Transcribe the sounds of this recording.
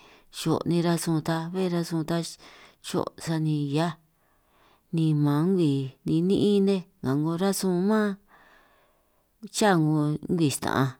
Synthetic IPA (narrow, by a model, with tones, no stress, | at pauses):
ʃo̰˨nĩ˧ɾa˧sũ˧t̪a˧βe˦˧ɾa˧sũ˧t̪a˧ʃo̰˦˨sa˧nĩ˧ja˦ | nĩ˧mã˨˦ŋɡʷi˨nĩ˧nĩ˦ʔĩ˦nẽ˦ŋã˨ŋɡõ˧ɾa˦sũ˧mã˦ | t͡ʃa˦˨ŋɡõ˧˦ŋ˦ɡi˨ʃt̪ã̰˨ã˧